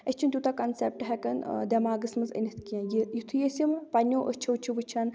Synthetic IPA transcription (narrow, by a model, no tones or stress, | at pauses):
ɐsʲt͡ʃʰint̪ʲut̪akɐnsep̚ʈɦɛkɐnd̪ɐmaːɡɨsmɐzə̰nʲit̪ʰkiɐ̃jijit̪ʰujesʲimpɐnʲːoːʔəst͡ʃʰɐwt͡ʃʰiʋɨt͡ʃʰɐn